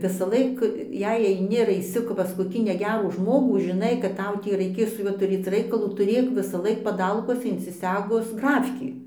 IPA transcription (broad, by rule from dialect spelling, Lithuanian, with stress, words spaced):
ʋʲɪsɐˈlˠɐɪk ˈjɛɪ ɐɪˈnʲɪ ɐr ɐɪˈsʲɪ pɐs koːˈkʲiː nʲɛˈɡʲæːruː ˈʒmoːɡuː ʒʲɪˈnɐɪ kɐt ˈtɐʊ ˈtʲiː rɐɪˈkʲeːs sʊ ˈjuɔ tʊˈrʲeːt͡s ˈrɐɪkɐlˠuː tʊˈrʲeːk ʋʲɪsɐˈlˠɐɪk pɐˈdɐlˠkuɔsʲɛ ɪnʲsʲɪˈsʲæːɡʊs ˈɡrɑːfʲkʲiː